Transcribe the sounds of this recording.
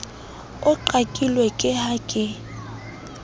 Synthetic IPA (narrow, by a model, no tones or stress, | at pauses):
ʊǃakʼilwekʼɪhakʼɪ